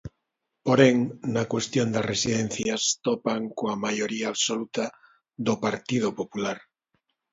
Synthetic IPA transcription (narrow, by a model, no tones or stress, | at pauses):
poɾeŋnakwest̪jond̪asresiðen̟θjast̪opaŋkoamajoɾiaːβsolut̪a | ðopaɾt̪ið̞opopulaɾ